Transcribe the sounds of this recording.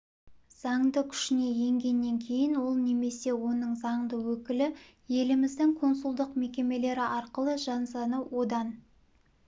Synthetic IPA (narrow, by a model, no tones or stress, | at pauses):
z̥ɑɴd̪əkʲʰʏ̥ʃɪne̞je̞ŋɡʲe̞nːe̞ŋkʲʰe̞jɪnwo̞lˠne̞me̞se̞wo̞nəɴzɑɴd̪əwɵkʲɪlɪ | je̞lɪmɪzd̪ɪŋqʰo̞nsʊlˠd̪əqme̞kʲe̞me̞le̞ɾɪʔɑɾqəlˠəʒɑnsɑnəwo̞d̪ɑn